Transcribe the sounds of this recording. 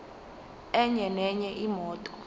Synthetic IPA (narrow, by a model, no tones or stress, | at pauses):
ɛɲɛnɛɲɛʔimɔːtʼɔ̥